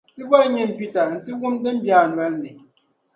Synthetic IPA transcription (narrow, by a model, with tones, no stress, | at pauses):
tɨ˦bɔ˦ɾɲɛ˦m̩˨pi˦ta˨n̩˨tɨ˦ɣu˦mdɛ˦m̩˦bjaː˦˨nwa˦lnɨ˨